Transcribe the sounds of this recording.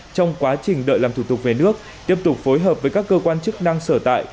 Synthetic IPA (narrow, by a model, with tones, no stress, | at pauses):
t͡ɕɔ˧wŋ͡mkwaː˨˦t͡ɕï˨˩ŋ̟ɗə̰ː˧˨jlaː˨˩mt̪u˧˩t̪ʊ˨˩k̚ve˨˩nɨ˦˥ək̚ | t̪i˦˥əp̚t̪ʊ˨˩k͡p̚fo˨˦jɦəː˨˩p̚vəː˨˦jkaː˦˥kːəː˧kwaː˧nt͡ɕɨ˦˥k̚na˧ŋsəː˧˩t̪a̰ː˧˨j